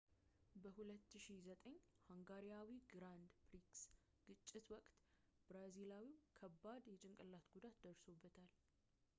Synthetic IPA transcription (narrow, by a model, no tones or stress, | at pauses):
bəhulət̪ːɨʃizət̪ʼəɲːhaŋɡaɾijawiɡɾand̪pɾiks | ɡ̥ɨt͡ʃʼːɪt̪wɔkʼt̪bɾazilawiwkʰəbːad̪jɛt͡ʃʼɪŋkʼɨlːat̪ɡud̪at̪d̪əɾso̞bːət̪ʰal